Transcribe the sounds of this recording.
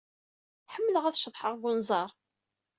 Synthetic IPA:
ħəmːələʁæθʃəðˤħəʁɡʷʊnzˤɑɾˤ

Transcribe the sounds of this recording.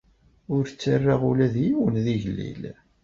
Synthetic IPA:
ʊɾt͡sːarːaʁulæðjiwənðiʝəlːḭl

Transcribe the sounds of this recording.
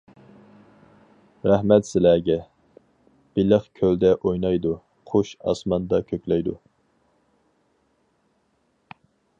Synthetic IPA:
ɾæhmɛt̪sɪlæɡʲɛ | b̥ɪlɪχkʲʰøld̪ɛʔojnɑjd̪u | qʰoʃɑ̰smɑnd̪ɑkʲʰøkʲlɛjd̪u

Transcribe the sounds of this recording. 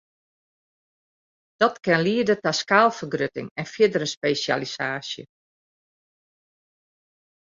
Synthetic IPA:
d̥ɔtkɛnliədətaskaːlˠfərɡrøtɪ̰ŋɛnfjɪdəɾəspeːsja̰lisaːsjə̰

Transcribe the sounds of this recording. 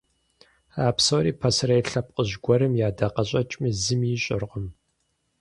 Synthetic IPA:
aːpsoːɾiːpʰɐsrɐjɬɐp̚qʼəʑɡʷɔɾɨmjaːdɐqɐɕʼɐt͡ʃʼmizɨmjɪɕʼɪ̰rqəm

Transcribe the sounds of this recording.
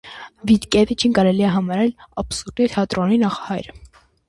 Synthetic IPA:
vid̪kɛvit͡ʃʰinkɑɾɛliɛɦɑmɑɾɛlɑbsuɾt̪it̪ʰɛɑt̪ɾɔninɑχɑ̥hɑjɾə

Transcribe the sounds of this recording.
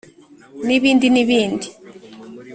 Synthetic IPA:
niβiːndiniβiːndi

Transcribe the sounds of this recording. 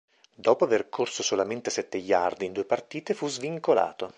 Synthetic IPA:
d̪ɔːpoaverkʰorsosolament̪esɛt̪ːeʎːard̪ind̪uːepart̪iːt̪efuzviŋkola̰ːt̪o

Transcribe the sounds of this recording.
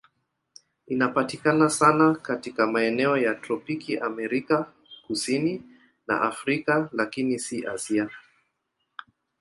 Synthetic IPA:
inapatikanasanakatikamaɛnɛɔjatɾɔpikiʔamɛɾika | kusini | na̰ʔafɾikalakinisiʔasia

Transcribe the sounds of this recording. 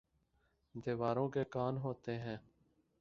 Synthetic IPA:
d̪eːʋaːɾõːkeːkaːnɦoːt̪eːɦɛ̃ː

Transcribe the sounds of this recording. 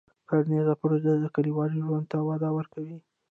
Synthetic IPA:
kaɾnezapʊɾozəd̪əkəliwɑɾiʒwand̪̚t̪awɑd̪ɑwəɾkawi

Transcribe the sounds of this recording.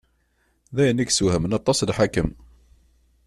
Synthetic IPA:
ðæjəniksuhəmənɑt̪ˤːɑslħakəm

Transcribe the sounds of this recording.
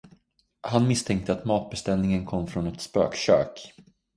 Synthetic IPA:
hanmɪst̪ʰɛŋk̚t̪əat̪mɑːt̪̚bɛst̪ɛlnɪŋənkʰɔmːfɾɔnɛt̪spø̰ːkʃø̰ːk

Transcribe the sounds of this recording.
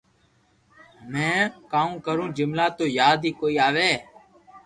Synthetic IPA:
mɛ̃ːkaːũːkəɾũːd͡ʒɪmlaːt̪oːjaːd̪ʱiːkoːiːaːʋeː

